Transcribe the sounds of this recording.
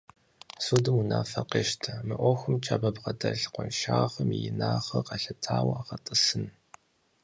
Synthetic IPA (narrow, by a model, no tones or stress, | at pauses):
suːdɨmunaːfɐqeːʃtʰɐmɨʔʷɔxʷʊmt͡ʃʰʼaːbɐbqɐdɐɬqʷɔnʃaːχɐmijɪnaːχɐqɐɬɐtʰaːwɐaʁɐtʼɨsɨn